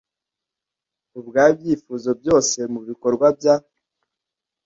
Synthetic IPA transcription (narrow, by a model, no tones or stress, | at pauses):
ubɡaːbjiːfuːzo̞bjo̞ːse̞muβiko̞ɾɡwabja